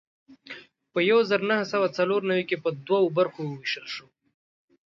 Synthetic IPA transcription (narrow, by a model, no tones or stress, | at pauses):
pəjawzəɾnahasawat͡saloɾnawikepəd̪wawobaɾxowəwiʃəlʃo